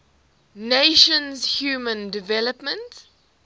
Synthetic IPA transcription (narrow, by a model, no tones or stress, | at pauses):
neʃə̃nzhjuːmə̃ndɪvɛləpmə̃nt